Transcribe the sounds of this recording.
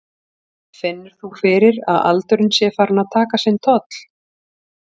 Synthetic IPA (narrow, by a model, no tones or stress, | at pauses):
fɪnːɪɾ̥θufɪːɾɪɾa̰ða̰lt̪ʏɾʏnsjɛfaɾnaðt̪ʰaːkasɛnt̪ʰɔt̪l̥